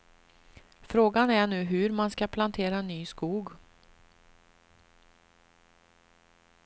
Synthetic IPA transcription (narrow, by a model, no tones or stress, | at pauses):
fɾoːɡanæɳʉ̟ːɦɵɾmanskapʰlant̪ʰeːɾaɛnːyːskuːɡ